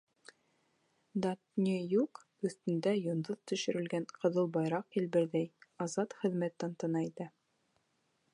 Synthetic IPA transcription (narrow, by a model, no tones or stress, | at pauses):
d̪at̪nʲijuq | ɵ̆θt̪ɘ̆nd̪æjŏnd̪oðt̪ɵ̆ʃɵ̆ɾɘ̆lɡænqɤ̆ðɤlˠbɑjɾɑqilbɘ̆ɾðæjɑzɑt̪χɘ̆ðmæt̪ːænt̪ɤ̆nɑit̪æ